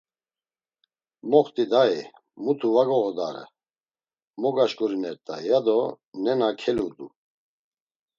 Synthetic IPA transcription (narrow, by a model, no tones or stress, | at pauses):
mɔχt̪ʼid̪ai | mut̪ʰuvaɡɔɣɔd̪a̰ɾə̰ | mɔɡaʃkʼuɾinɛɾt̪ʼa̰jad̪ɔ | nɛnakʰɛlud̪u